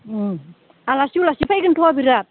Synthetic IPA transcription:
alasiwlasipʰajkɯntʰɔbiɾat̚

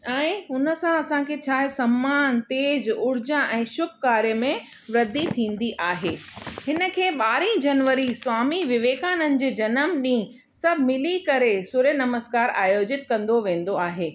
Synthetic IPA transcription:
ɛ̃ːʊnə̆sãɐsãkʰet͡ɕʰaːɦesɐmːaːnt̪eːd͡ʑʊɾd͡ʑãʔɛ̃ːʃʊb̚kaːɾjəmẽ | ʋɾɐd̪ːit̪ʰĩːn̆d̪iʔaːɦeːhɪnə̆kʰeːɓaːɾĩd͡ʑɐnʋəɾiswaːmiʋɪʋeːkaːnənɪ̆d͡ʑeːd͡ʑɐnəmɗĩː | sɐbʱmɪlikɐɾesʊɾjənɐməskaːɾaːjoːd͡ʑɪt̪kɐ̃nd̪oʋẽːn̆d̪oaːɦeː

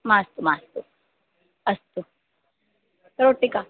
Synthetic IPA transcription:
mãst̪umaːst̪u | ɐst̪u | kɐɾoʈːika

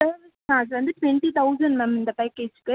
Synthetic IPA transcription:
ɐ | nãːsʋɐnd̪ɯʈʋɛɳʈit̪ɐʊzɐ̃ɳɖmɛmɪnd̪ɐpaːkeːd͡ʒkːɯ

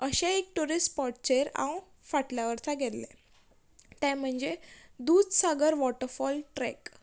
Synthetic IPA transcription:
əɕẽek̚ʈuɾisʈpɔʈt͡ɕeɾã̰w | faʈljaʋəɾt̪ʰaɡʱɛt̪lḛ̃ | t̪ɛ̃m̤əɳd͡zed̪uːd̪saɡəɾʋɔʈəɾfɔlʈɾɛ̰k

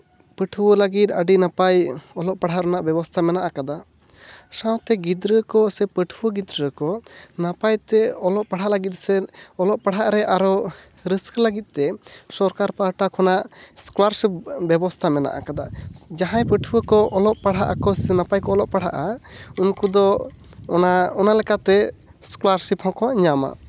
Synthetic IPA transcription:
pəʈʰuwələɡit̪̚əɖinapajɔlɔʔpaɽ̤aʔɾɔnaʔbɛbɔst̪ʰamɛnaʔakad̪a | sãw̃t̪ɛɡid̪ɾəkɔsɛpəʈʰuwəɡid̪ɾəkɔnapajt̪ɛɔlɔʔpaɽ̤aʔləɡit̪̚ˀsɛɔlɔʔpaɽ̤aʔɾɛʔaɾɔ | ɾiskləɡit̪̚ˀt̪ɛsɔɾkaɾpaʈakʰɔnaʔskɔlaɾsip̚bɛbɔst̪ʰamɛna̰ʔa̰kad̪ad͡ʒaɦãjpəʈʰuwəkɔʔɔlɔʔpaɽ̤aʔakɔsɛnapajkɔɔlɔʔpaɽ̤aʔaunkud̪ɔ | naɔnalɛkat̪ɛ | skɔlaɾsiphɔ̃kɔɲama̰

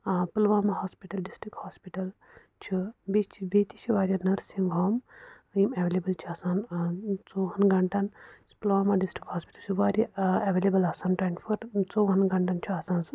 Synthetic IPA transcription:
pɐlʋaːmaɦaːspiʈɐlɖisʈɾikhaːspiʈɐl | t͡ʃʰibit͡ʃʰibeːt̪it͡ʃʰiʋaːɾʲjanɐɾsiŋɡʱaːm | imeʋeːlebəlt͡ʃʰiɐsaːnt͡soːɦɐnɡɐɳʈanspɐlʋaːmaɖisʈɾikhaːspi̥ʈɐlt͡ʃʰiʋaːɾʲjaeʋeːlebəlasaːnʈaːjnfʰɐɾt͡soːɦɐnɡɐɳʈant͡ʃʰiɐsaːnsɨ

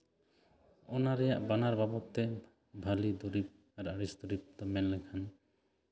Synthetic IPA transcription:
ɔnaɾɛjaʔbanaɾbabɔt̪ːɛ | bʱalid̪ɔɾip̚ | aɾaɽisd̪ɔɾip̚t̪ɔmɛnlɛkʰan

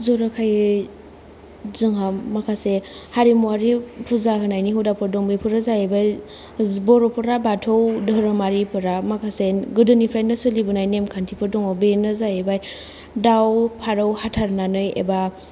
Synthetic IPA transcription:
zɔɾakʰaj | zɯŋɦamakʰasehaɾimuaɾipʰuzakɯnajniɦɯwdapʰɯɾdɔŋbepʰɯɾɯzajebaj | bɔɾɔpʰɯɾabatʰowdəɾɯmaɾipʰɯɾamakʰaseɡɯdɯnipʰɾajnɯsɯlibɯnajnemkʰantʰipʰɯɾdɔŋɔbenɯzajebaj | dawpʰaɾɯwhatʰaɾnanɯjḛba

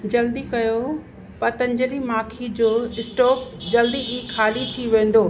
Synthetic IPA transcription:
d͡ʑɐld̪ikɐjo | pɐt̪ɐ̃ɲd͡ʑəlimaːkʰid͡ʑoːɪsʈɔːk̚d͡ʑɐld̪iʔiːkʰaːlit̪ʰiʋẽːn̆d̪oː

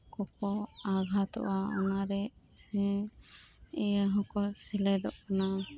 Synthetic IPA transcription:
kɔkɔaɡʱat̪ɔ̰ʔaɔnaɾɛ | ɛjaɦɔ̃kɔsilɛd̪ɔʔkana

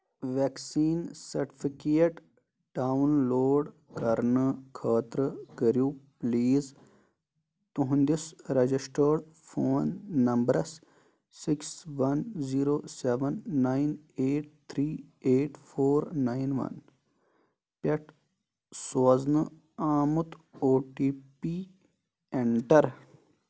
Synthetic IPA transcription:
ʋeksiːnsɐɾʈi̥fikeːʈ | ɖaːwnloːɖ | kɐɾnɨkʰaːt̪ɾəkəɾjuːpliːz | t̪uɦũnd̪isɾɐd͡ʒisʈəːɖ | fʰoːnːɐmbɾɐs | sɪksʋɐnziːɾoːseʋɐnːaineːʈ̚t̪ʰɾiːeːʈfʰoːɾnaːinʋɐ̰n | pɐʈ | soːznɨ | aːmut̪oːʈiːpiː | eɳʈɐɾ

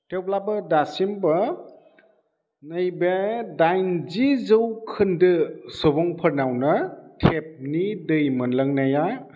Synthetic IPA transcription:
tew̚labɐdasimbɐ | nɯjbedajnzizɯwkʰɯndɯsɔbɔŋpʰɐɾnawnɐtʰep̚nidɯjmɯnlɐŋnaja

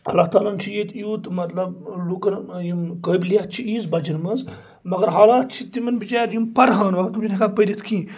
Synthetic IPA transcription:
ɐlaːɦt̪aːlant͡ʃʰijet̪ʰijuːt̪mɐt̪lɐblukɐɾjimkəjblijat̪t͡ʃʰiiːzbɐd͡ʒinmɐnz | mɐɡɐɾɦaːlaːt̪̚t͡ʃʰit̪imɐnbit͡ʃaːɾjimpɐɾɦaːnmɐɡɐɾt̪umd͡ʒinʲikalpəjɾʲit̪ʰkĩː

